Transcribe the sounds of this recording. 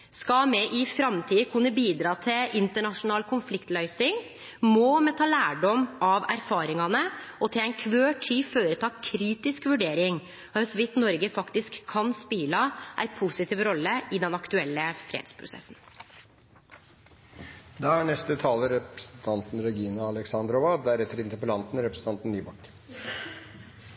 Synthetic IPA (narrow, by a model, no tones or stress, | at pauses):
skɑmɛʔɪfɾɑmt̪ʰiːəkʰʉnːəbiːd̪ɾɑːt̪ʰɪlʔɪnt̪əɳɑʂʊnɑːlkʰʊnflɪkt̪lœʏsnɪŋ | mɔmɛt̪ʰɑːlæːɖɔmʔɑʋæ̰ɾfɑːɾɪŋɑnəɔt̪ʰɪlæɪnkʰʋøːʈʰiːføːɾət̪ʰɑːkʰɾiːt̪ɪskʋʉɖeːɾɪŋ | œsʋɪt̪nɔɾɡəfɑkt̪ɪskʰːɑnspiːlɑʔæ̰ɪpʰusɪt̪iːʋɾɔlːəʔɪd̪ɛnɑkt̪ʉɛlːəfɾḛːd̪̥spʰɾʊ̰sɛ̰sːn̩ | d̪ɑæɳɛst̪ət̪ʰɑːləɾɛpɾɛsn̩t̪ʰɑnt̪n̩ɾɛɡiːnəɑlɛksɑnd̪ɾɔʋɑd̪æɾɛt̪ːəɾɪnt̪əɾpəlɑnt̪n̩ɾɛpɾəsn̩t̪ɑnt̪n̩nyːbɑkː